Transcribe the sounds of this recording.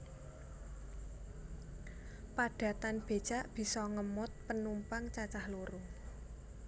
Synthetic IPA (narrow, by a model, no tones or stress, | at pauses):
paɖ̥a̤t̪anb̥e̤d̥ʒ̥a̤ʔb̥i̤sɔŋəmʊt̪̚pənumpaŋt͡ʃat͡ʃahloɾo